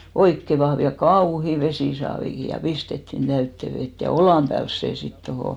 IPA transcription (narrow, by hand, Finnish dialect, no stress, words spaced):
oikːe ʋɑhʋ jɑ kɑuhi ʋesiˑsɑːʋiki jɑ pistetːin tæytːe ʋet jɑ olɑˑm pæːls seˑ sit tohoˑ